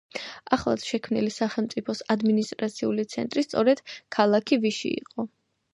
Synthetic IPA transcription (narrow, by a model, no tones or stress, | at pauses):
aχlˠa̰t̪ʃɛkʰmnilisaχɛlˠmt̪sʼipʰɔsad̪minist̪ʼɾat̪sʰiulit̪sʰɛ̰nt̪ʼɾist̪sʼɔɾɛd̪̥kʰalˠakʰiviʃḭḭqʼɔ